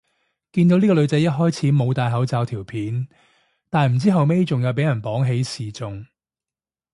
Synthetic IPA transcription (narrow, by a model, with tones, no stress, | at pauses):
kiː˧nt̪o˨˥niː˥ɔ˧lɵ˨˧ɥt͡sɐ˨˥jɐ˥t̚ɦɔː˥jt͡sʰiː˨˥mo˨˧wt̪aː˨jɦɐ˨˥wt͡saː˨˧wt̪ʰiː˨˩wpʰiː˨˧n | t̪aː˨nm̩˨˩t͡siː˥ɦɐ˨wme˥t͡sʊ˨ŋjɐ˨˧wp̬e˨˥jɐ˨˩npɔː˨˥ŋɦe˨˥jsiː˨˩t͡sʊ˨ŋ